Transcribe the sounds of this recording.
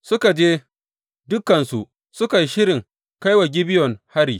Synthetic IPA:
sʊ˦ka˨d͡ʒeː˦ | dʊ˦kːɐ˨nsu˨ʔ | sʊ˦ka˨ji˦ʃɪ˦ɾɪ˨ŋ | ka˦jwa˨ɡʲɪ˦bɪ˦jɔ˨ŋha˦ɽiː˨

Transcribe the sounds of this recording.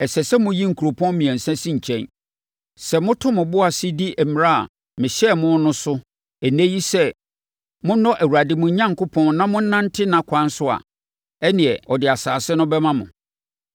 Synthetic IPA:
ɛ˨sɛ˨sɛ˦mʊ̃˦ji˦ŋ̩˨kʰu˨ɾo˨pʰɔ̃˦nmĩ˨ɛ̃˨n̩˨sɛ̃˦sɪ̃˦ɲ̩˨t͡ɕʰɛ̃˦n | sɛ˨mʊ̃˦tʰʊ̃˦mʊ̃˨bʊ˦a˨sɪ˦di˦ʔɛ˨m˨ɾa˦a̰˨ | mɪ̃˨ɕɛ˦˨mʊ̃˦nʊ̃˦sʊ˦ | æ˨næ̃˦ji˦sɛ˦ | mʊ̃˦n̩˦nɔ̃˦ʔæ˨wu˨ɾa˨dɪ˨mʊ̃˨˦ɲã˦ŋkʰʊ˦pʰɔ̃˦nnã˦mʊ̃˦n̩˦nã˦n˦tʰɪ˦nã˨kʷʰã˦n˦sʊ˦a̰˨ | ɛ˦nɪ̃˨ɛ˨ɔ˨dɪ˨a˨saː˨sɪ˦nʊ̃˦bɛ˦mã˦mʊ̰̃˨

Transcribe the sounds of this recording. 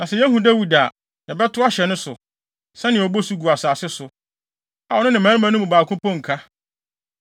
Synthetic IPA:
nã˨sɛ˦˨jɛ˦ɦũ˨dæ˦wi˨da˨ | jɛ˨bɛ˦tʰʊ˦a˦ɕɛ˨nʊ̃˦sʊ˨ | sɛ˦nɪ̃˨ɔ˨bo˦su˦ɡu˨a˨saː˨sɪ˦sʊ˨ | a˨ɔ˨nʊ̃˦nɪ̃˨m˨ã˨˦mã˦nʊ̃˦mũ˨baː˨kʰʊ̃˦pʰɔ̃˦ŋ̩˨kʰa˦

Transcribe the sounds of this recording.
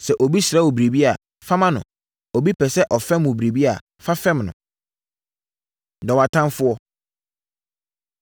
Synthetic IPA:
sɛ˨ʔo˨bi˦sɾa˨˦wo˨bɾe˨bi˦a˨ | fa˦mã˦nʊ̰̃˨ | ɔ˨bi˦pʰɛ˨sɛ˦ʔɔ˨fɛ̃˦m˦ʊ̃˨bɾe˨bi˦a˨ | fa˦fɛ̃˦mnʊ̰̃˨ | dɔ˨wa˨tʰã˦mfʊ˦ɔ˦

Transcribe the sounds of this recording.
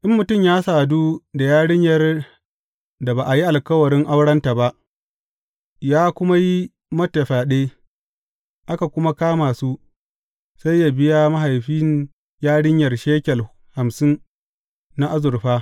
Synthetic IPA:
ʔɪ˦mːʊ˨tʊ˦˨mjaː˦saː˨duː˦da˨jaː˦ɽɪ˦ɲjɐ˨r | da˨baː˨ʔa˨ji˦ʔa˨lkɐ˦wɐ˨ɽɪ˦ŋʔa˦wɽɐ˦nta˨ba˦ʔ | jaː˦kʷʊ˦ma˦ji˦ | mɐ˦tːɐ˨ɸaː˨ɗeː˦ | ʔa˦ka˨kʷʊ˦ma˦kaː˦maː˨su˦ | sa˦jːaː˨bɪ˦ja˦ma˦ɦa˨jɸiː˦n | jaː˦ɽɪ˦ɲjɐ˨rʃeː˦kʲɛ˨l | ha˨msɪ˦n | na˦ʔa˦zʊ˨rɸaː˦

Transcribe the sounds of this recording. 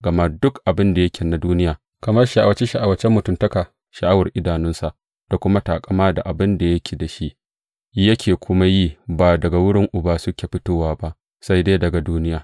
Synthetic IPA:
ɡɐ˨ma˦dʊ˦kʔa˨bɪ˦nda˨jɐ˦kʲʰeː˨na˨duː˦nɪ˦jaː˨ | kɐ˨mɐ˦rʃa˨ʔa˨wɐ˨t͡ʃe˦ʃa˨ʔa˨wɐ˨t͡ʃɛ˦mːʊ˨tʊ˦˨mtɐ˦kaː˨ | ʃɐ˨ʔa˦wɐ˨rʔɪ˦daː˨nʊ˦nsa˨ʔ | d̥a˨kʷʊ˦ma˦taː˨kʼɐ˦maː˦da˨ʔa˨bɪ˦nda˨jɐ˦kʲʰeː˨da˨ʃi˦ʔ | jɐ˦kʲʰeː˨kʷʊ˦ma˦jiː˦˨baː˨dɐ˨ɡa˨wʊ˦ɽɪ˦ŋʔʊ˨baː˦sʊ˦kʲeː˨ɸɪ˦toː˦waː˦ba˦ʔ | sa˦jdeː˦dɐ˨ɡa˨duː˦nɪ˦jaː˨

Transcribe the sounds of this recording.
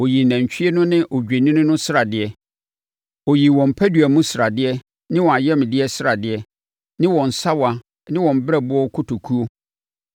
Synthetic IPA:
o˨ji˨næ̃˨ɲ˨t͡ɕᶣʰi˦ɛ˦nʊ̃˦nɪ̃˦ʔo˨d͡ʑᶣe˨nĩ˦nʊ̃˦nʊ̃˦sɪ˦ɾa˨dɪ˨ɛ˨ | o˨ji˨wɔ̃˨m̩˨pʰæ˦dɥæ˨mũ˦sɪ˨ɾa˨dɪ˦ɛ˦ | nɪ̃˦wɔ̃˨a˨jɛ˦m˨dɪ˦ɛ˦sɪ˦a˨dɪ˨ɛ˨ | nɪ̃˦wɔ̃˨n̩˨sa˦wa˨ | nɪ̃˦wɔ̃˨m˨bɪ˦ɛ˦˨bʊ˦ɔ˦kʰʊ˦tʰo˨kʰu˦o˦

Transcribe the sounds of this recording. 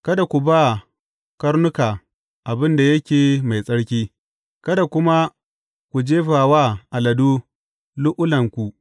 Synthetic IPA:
kɐ˦da˨kʷu˨ba˦ | kɐ˦ɽnʊ˦kaː˨ | ʔa˨bɪ˦nda˨jɐ˦kʲeː˨ma˨jsʼɐ˦ɽkʲiː˦ | kɐ˦da˨kʷʊ˦ma˦ | kʷu˨d͡ʒeː˦ɸaː˨waː˦ʔa˨lɐ˨duː˦ | lʊ˦ʔʊ˦lɐ˨ŋkʷu˨

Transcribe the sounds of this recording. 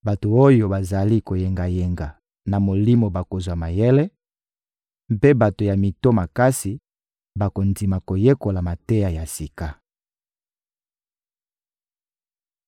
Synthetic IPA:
ba˨to˨o˦jo˦ba˨za˨li˦ko˨je˨ŋɡa˨je˨ŋɡa˨ | na˨mo˨li˦mo˨ba˨ko˨zwa˨ma˨je˦le˦ | mpe˦ba˨to˨ja˨mi˨to˦ma˨ka˦si˨ | ba˨ko˨ndi˨ma˨ko˨je˦ko˨la˨ma˨te˦ja˨ja˨si˨ka˦

